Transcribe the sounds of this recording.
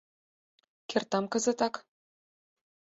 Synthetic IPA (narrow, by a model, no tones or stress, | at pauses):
kʲĕrt̪ɑmkɤ̆zɘ̆t̪ɑk